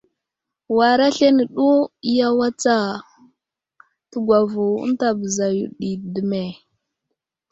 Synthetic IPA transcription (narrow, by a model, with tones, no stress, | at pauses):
wa˨ɾa˦ɬe˦ni˨ɗu˦i˦ja˦wa˦t͡sa˦ | tə˦ɡʷa˨vu˨ṵ˦n˦ta˨bə˨za˨jṵ˨ɗi˨də˨me˨